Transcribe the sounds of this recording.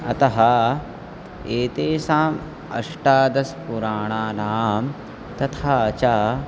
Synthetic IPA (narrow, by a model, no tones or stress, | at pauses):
ɐt̪ɐɦɐ | eːt̪eːsaːm | ɐ̰ʂʈaːd̪ɐspuɾaːɳaːnaːm | t̪ɐt̪ʰaːɐt͡ʃaː